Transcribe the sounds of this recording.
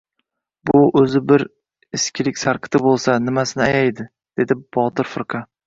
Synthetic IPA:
bʊʔɵzɪbɪɾ | ɪskʲʰɪlɪkʲsaɾqʰɨ̥t̪ʰɪbolˠsanɪmasɪnɪajajd̪ɪ | d̪̥e̞d̪ɪbɒt̪ʰɪɾfɪɾqʰɑ

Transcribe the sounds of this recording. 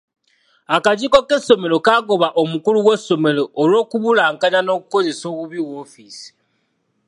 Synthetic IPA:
akacikokeso̞me̞lo̞kaɡo̞βaʔomukuluweso̞me̞loːlwoːkuβulaːŋkaɲano̞ːkuko̞ze̞so̞ːβuβiwo̞ːfisi̥

